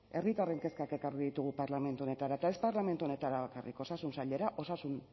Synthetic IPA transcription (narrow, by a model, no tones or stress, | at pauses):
e̞rit̪are̞ŋke̞skake̞kariðit̪uɣupaɾlame̞nt̪uo̞ne̞t̪aɾaet̪ae̞spaɾlame̞nt̪uo̞ne̞t̪aɾaβakarḭko̞sasunsaʎe̞ɾaʔo̞sasun